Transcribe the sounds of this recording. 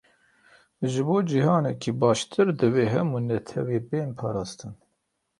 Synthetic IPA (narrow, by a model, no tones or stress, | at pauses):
ʒɨboːd͡ʒiɦɑːnɛkʰiːbɑːʃt̪ʰɨɾd̪ɨweːɦɛmuːnɛt̪ʰɛweːbeːnpʰɑːɾɑːst̪ɨn